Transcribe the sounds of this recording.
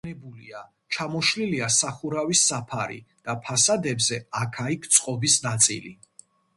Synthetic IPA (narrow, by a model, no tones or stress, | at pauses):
ɛbulia | t͡ʃʰamɔʃliliasaχuɾavisːapʰaɾḭd̪̥apʰasad̪ɛbzɛakʰaikʰt̪sʼqʼɔbisnat̪sʼḭlḭ